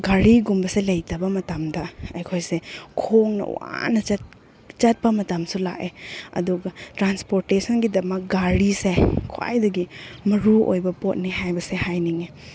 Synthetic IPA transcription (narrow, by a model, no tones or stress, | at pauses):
ɡaɾiɡumbɐselɐjtɐbɐmɐtɐmdɐɐjkʰojsekʰoŋnɐ̰w̰a̰nɐt͡ʃ | t͡ʃɐt̚pɐmɐtɐmsula̰ʔeɐ̰duɡɐtɾanspoɾtesɐnɡidɐmɐk̚ɡaɾisekʰoa̰jdɐɡimɐɾuo̰jbɐpot̚niɦajbɐsehajniŋe